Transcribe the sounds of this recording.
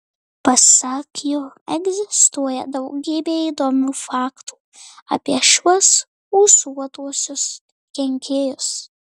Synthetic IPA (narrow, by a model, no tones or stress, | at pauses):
pɐsɑːkʲʰijoːɛɡzʲɪst̪uɔjɛd̪ɐʊɡʲiːbʲeːiːd̪oːmʲuːfɑːkt̪u̥ː | ɐ̰pʲiɛʃuɔs | uːsuɔt̪uɔsʲʊs | kʲɛŋʲkʲʰeːjʊs